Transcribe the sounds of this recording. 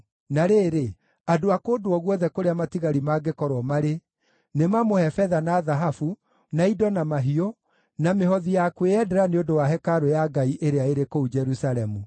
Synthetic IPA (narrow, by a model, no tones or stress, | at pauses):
naɾeːɾe | adoakodwɔɣwɔðɛkoɾeamatiɣaɾimaɡekɔɾwɔmaɾe | nemamohɛfɛðanaːðaɦafu | naidɔnamaɦio | nameɦɔðijakweɛdɛɾaneodowaɦɛkaɾojaɡaiʔeɾeaeɾekoud͡ʒɛɾusaɾɛmu